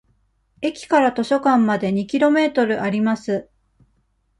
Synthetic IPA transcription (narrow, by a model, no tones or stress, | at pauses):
e̞kʲi̥kaɾat̪o̞ɕo̞kãmːad̪e̞ɲ̟ikʲiɾo̞me̞ːt̪o̞ɾɯ̟ʔaɾʲimasɨ